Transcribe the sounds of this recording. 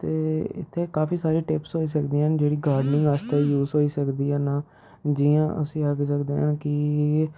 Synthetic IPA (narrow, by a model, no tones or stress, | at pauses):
t̪eːɪ̰t̪ʰːeːkaːfiːsaːɾiːʈɪpsɦoːiːsəkd̪iːənd͡ʒeːɽiːɡaːɾɖnɪ̃ŋɡast̪eːjuːzɦoːiːsəkd̪iːɦãːnaː | d͡ʒijã̰ːʔə̰sĩːəɡsəkd̪ḛːɦãːkɪ